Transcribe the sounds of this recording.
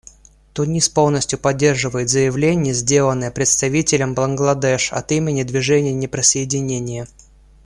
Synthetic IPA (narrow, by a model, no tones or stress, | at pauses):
t̪ʊnʲispo̞lˠnəsʲtʲjʊpɐdʲːe̞rʐɨvəjɪt̪zəjɪvlʲenʲɪjəzʲdʲe̞lˠənːəjəpɾʲɪt̪st̪ɐvʲitʲɪlʲəmblənɡlˠɐd̪ɛʂɐ̰t̪imʲɪnʲɪd̪vʲɪʐɛnʲɪjənʲɪpɾəsəɪdʲɪnʲenʲɪjə